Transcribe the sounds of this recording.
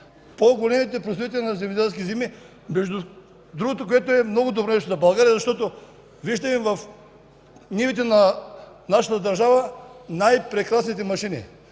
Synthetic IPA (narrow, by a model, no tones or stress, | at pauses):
poɡolɛmit̪ɛpɾosɾit̪̬ɛlʲinɐzɛmid̪ɛlskʲizimi | mɛʒd̪u | d̪ɾuɡot̪okoɛt̪oɛmnoɡod̪obɾɔnɛʃt̪ozɐbɐlˠɡaɾijɐzɐʃt̪ɔt̪o | viʒd̪ɐmivɐf | nivit̪̬ɛnanaʃɐt̪ɐd̪ɐɾʒavɐnajpɾɛkɾasnit̪̬ɛmɐʃinḭ